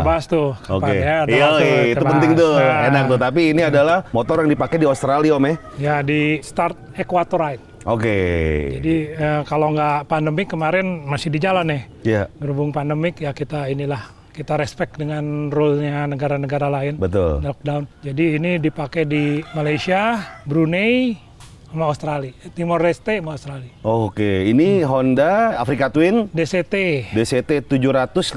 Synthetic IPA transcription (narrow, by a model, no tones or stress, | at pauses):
təbaɦast̪ukaokanadaait̪ubapənt̪ɪŋt̪ʊjaenak̚t̪ut̪ap̬iːniadalahmot̪ɔrjaŋdipakɛdiost̪ɾaliomɛh | jadist̪art̪̚ekuwat̪ɔɾaɪt̪̚ | ʔoked͡ʒadiəkaloŋɡapandəmɪkːəmaɾɛnmasɪhdid͡ʒalanɛh | jaɡəɾubʊŋpandəmɪkjakit̪ainilah | kit̪aɾɛspɛk̚dəŋanrɔlɲanəɡaɾanəɡaɾalaɪnbət̪ʊ̰llɔk̚daund͡ʒadiːnidipakɛdimalajsiabɾunej | maust̪ɾalit̪imɔrɛst̪emaust̪ɾaliokeiniɦɔndaafɾikat̪wɪndeset̪edeset̪et̪ud͡ʒuɾat̪ʊs